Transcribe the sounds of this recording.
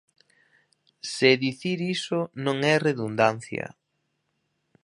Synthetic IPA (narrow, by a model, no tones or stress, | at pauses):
seðiθiɾisʊnõŋɛreðund̪an̟θjɐ̰